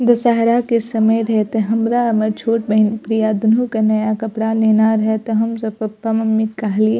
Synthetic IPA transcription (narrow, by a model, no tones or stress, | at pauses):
d̪ɐsaɦɾakesɐməjɾɐɦet̪eɦɐmɾamɐt͡ʃʰoːʈ̚bɐnpɾijad̪ʊnũkanɐjakɐpɽaleːnaɾɐɦet̪eɦɐmsɐbɐpːɐmɐmːikaɦlie